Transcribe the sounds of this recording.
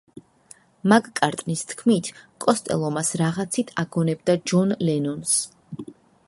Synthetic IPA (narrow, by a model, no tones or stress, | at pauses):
makkʼaɾt̪ʼnist̪ʰkʰmit̪ʰkʼɔst̪ʼɛ̰lˠɔmasɾaʁat̪sʰit̪ʰaɡɔnɛbd̪ad͡ʒɔnlɛnɔns